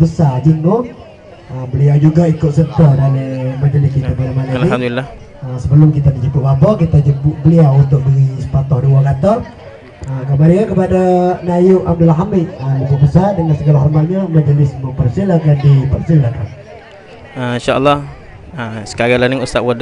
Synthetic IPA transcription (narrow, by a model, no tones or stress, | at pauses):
bəsad͡ʒinmo | əbəliawd͡ʒuɡaikʊʔ̪̚sət̪adalimad͡ʒəlɪskit̪abəlamani | əsəbəlʊmkit̪adit͡ʃipuʔ̚babɔkit̪ad͡ʒəbuʔbəliawunt̪ʊʔ̚biisə̥pat̪ɔduwaɡat̪ɔr | əkəmaɾiŋankəpadanajʊʔam̚dulɦamɪt̪̚əmət̪ʊʔ̚bəsadəŋansəɡalaɦɔrmat̪̚ɲamad͡ʒəlɪsməpərsilakandipərsilakan | əĩʃaʔə̰lːɑh | əsə̥kaɣalaniust̪aʔwad